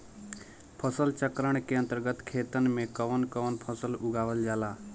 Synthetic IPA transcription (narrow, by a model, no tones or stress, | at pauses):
pʰəsəlt͡ʃəkɾəɳ̃keə̃nt̪əɾɡət̪kʰeːt̪ənmẽkəʋənkəʋənpʰəsəlʊɡaːʋəld͡ʒaːlaː